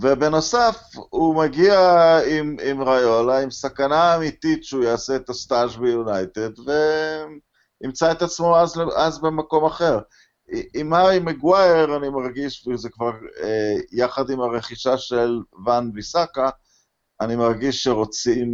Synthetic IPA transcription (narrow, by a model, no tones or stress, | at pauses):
ve̞be̞no̞safumaɡiaimimʁajo̞laimsakanaːmit̪it̪ʃeujaːseet̪ast̪aʃbejunajt̪e̞dve | nimt͡saet̪at͡smo̞azeazbemako̞maχe̞ʁ | imaʁimeɡwajeʁanimaʁɡiʃvezekvaʁejaχad̪imaʁe̞χiʃaʃelvanvisakaː | nimaʁɡiʃːeʁo̞t͡sim